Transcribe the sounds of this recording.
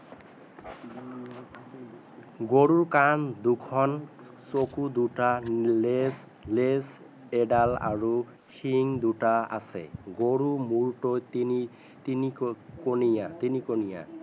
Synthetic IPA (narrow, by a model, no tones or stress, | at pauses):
ɡoɹuɹkandukʰɔn | sokud̪utales | les | ɛɖala̰ɹu | xiŋd̪utaa̰sɛ̰ɡoɹumuɹtojtini | tinikonijat̪inikonija̰